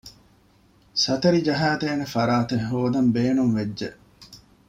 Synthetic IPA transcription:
sɐt̪ɐɾid͡ʒɐɦaːt̪eːnefɐɾaːt̪eɦoːd̪ɐmbeːnumʋed͡ʒːeʔ

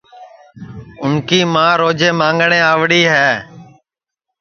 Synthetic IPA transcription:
ʊnkiːmãːɾoːd͡ʒeːmãːŋɡɳeːaːʋɽiːɦɛː

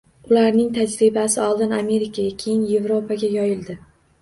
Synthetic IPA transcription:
ʊlaɾnɪŋt̪ʰad͡ʒɾɪbasɪɒlˠd̪ɪname̞ɾɪkʰaɡʲakʲʰe̞jɪnje̞vɾopʰaɡʲajɒjɪld̪ɪ

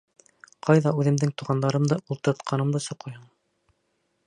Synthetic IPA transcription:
qʰɑjðɑʉðɘ̆md̪ɘŋt̪uʁɑnd̪ɑɾɤmd̪ɤʔulˠt̪ɤ̆ɾt̪qʰɑnɤ̆md̪ɤsŏqɤjhɤɴ

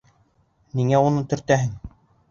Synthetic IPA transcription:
niŋæunɤt̪ɵ̆ɾt̪æɦɘŋ

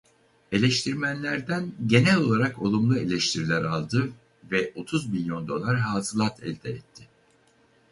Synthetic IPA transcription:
e̞lʲɛʃt̪ʰiɾmænlʲæɾd̪ænɟe̞nɛlʲo̞lˠaɾako̞lˠumlˠue̞lʲɛʃt̪ʰiɾilʲæɾalˠd̪ɯ | vɛʔo̞t̪ʰuzmilʲjo̞nd̪o̞̰lˠaɾɦaːzɯlˠat̪ʰɛ̰lʲd̪ʰɛɛt̪ʰːɪ

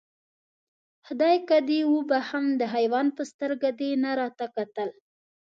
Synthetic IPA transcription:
hd̪ɑjkad̪ewubahamd̪əɦajwɑnpəst̪əɾɡad̪enaɾɑt̪akat̪əl

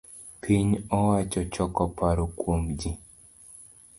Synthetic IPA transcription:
pʰiɲɔwat͡ʃɔt͡ʃɔkɔpʰaɾokwomd͡ʒi

